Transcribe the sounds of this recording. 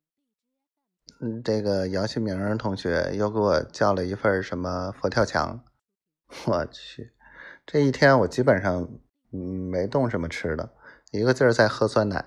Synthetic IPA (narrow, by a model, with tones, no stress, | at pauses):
ʈ͡ʂɤ˥˩ɡə˩jɑ˧˥ʊt͡ɕʰi˥˩mi˧˥ŋɻə˧˥t̪ʰʊ˧˥ŋɕɥɛ̰˧˥jo˥˧ʊke˧˥wɔ˨˩t͡ɕjɑ˥˩ʊlə˩i˧˥fə˥˩ʂə˧˥nmə˧fɔ˧˥t̪ʰjɑ˥˩ʊt͡ɕʰjɑ̰˧˥ŋ | wɔ˨˩t͡ɕʰy˥˩ | ʈ͡ʂɤ˥˧i˥˩t̪ʰjɛ˥nwɔ˨˩t͡ɕi˥pə˨˩nʂɑ˥˩ŋ˧˩ | me˧˥ɪt̪ʊ˥˩ŋʂ̬ə˧˥nmə˧ʈ͡ʂʰɻ̩˥d̪ə̰˨ | i˧˥ɡə˧t͡ɕjo˥˧ʊʂ̩˥˧˥t͡sa˥˩ɪxɤ˥sʰwa˥na̰˨˩˦